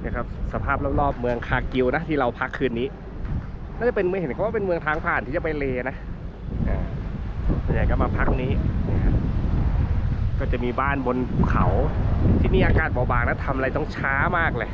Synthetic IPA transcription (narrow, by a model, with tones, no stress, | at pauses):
nː˥˩kʰa˦˥p̚sa˧pʰaː˥˩p̚la˦˥p̚lɔː˥˩p̚mɯ˧əŋkʰaː˧˩ki˧wna˦˥t̪ʰiː˥˩ɾa˧wpʰa˦˥kʰːɯː˧nːiː˦˥ | naː˥˩t͡ɕa˨˩pe˧nmɯ˧ŋɦe˨˦nkʰa˧˦waː˥˩pe˧nmɯ˧əŋt̪ʰaː˦˥ŋpʰaː˨˩nt̪ʰiː˥˩t͡ɕa˨˩pa˧jleː˧na˦˥ | ʔaː˧˩ | tʰa˧˩ja˨˩jka˧˩maː˧pʰa˦˥k̚niː˦˥niː˧˩kʰa˦˥p̚ | kɔː˥˩t͡ɕa˨˩miː˧baː˥˩nbo˧nʰ˧˩kʰa̰˨˩˦wt̪ʰiː˥˩miː˧ʔaː˧kaː˨˩t̪̚bɔː˨˩baː˨˩k̚na˦˥˩t̪ʰa˧mʔa˧a˧jt̪ɔ˥˩ŋt͡ɕʰaː˦˥maː˥˩k̚lɤː˧˩